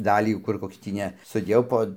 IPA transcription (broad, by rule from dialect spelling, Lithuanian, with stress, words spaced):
ˈdɑːlʲiː ˈkʊr ˈkoːks tʲiː ˈnʲɛ sʊˈdʲeːjɛʊ poː